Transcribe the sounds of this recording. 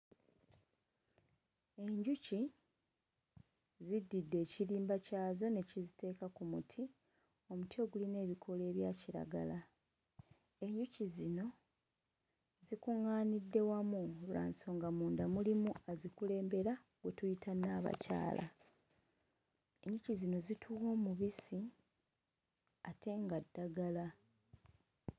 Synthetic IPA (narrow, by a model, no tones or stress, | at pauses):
e̞ɲɟuci | zidːidːe̞ːciliːmbacaːzo̞ne̞cizite̞ːkakumutʰi | o̞mutio̞ːɡuline̞ːβikʰo̞le̞ːβjaːciɾa̰ɡa̰la | e̞ɲɟucizino̞ | zikuŋːaːnidːe̞wamulua̰ːnso̞ŋɡamuːndamulimuazikule̞ːmbe̞ɾa | ɡwe̞tujitanːaβa̰ca̰ːlʔa̰ | e̞ɲɟucizino̞zitʰuwo̞ːmuβisi | atʰe̞ŋɡadːaɡala